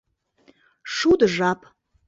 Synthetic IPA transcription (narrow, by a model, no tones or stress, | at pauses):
ʂud̪ɨʐapʼ